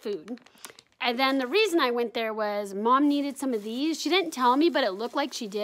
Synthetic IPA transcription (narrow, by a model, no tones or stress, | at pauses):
fʉd̥ | ʔɨ̃nðɨ̃nðɨɹizɨ̃naɪwɛ̃nðə˞wʌzmɑ̃mniɾɨd̥sʌ̃mʌvðiz̥ʃidɪdⁿn̩tʰɛlˠmibʌɾɨtˡlʊk̚tˡlaɪkʃidɪ